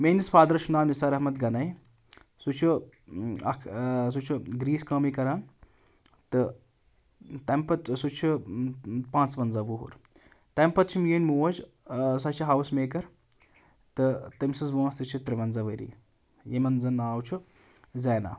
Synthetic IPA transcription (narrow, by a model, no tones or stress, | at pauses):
meːnisfaːd̪ɐɾɐʃʰunaːmisaɾɐɦmɐt̪ɡɐnɐj | sut͡ʃʰu | ɐ̰kʰs̬ut͡ʃʰuɡɾiːskɐmikɐɾaːn | t̪ɨ | t̪ɐmpɐsut͡ʃʰu | pãːnt͡sʋɐnzɐʋuɦṵɾ | t̪ɐmpɐt̪̚t͡ʃʰimjinʲmuːɐd͡ʒ | sɐt͡ʃʰiɦɐwsmeːkɐɾ | t̪ɨt̪ɐmsɨsʋuːst̪ɨt͡ʃʰut̪ɾiʋɐnzɐʋɐɾḭː | jemɐnzɐnaːwt͡ʃʰu | zɛːna̰ː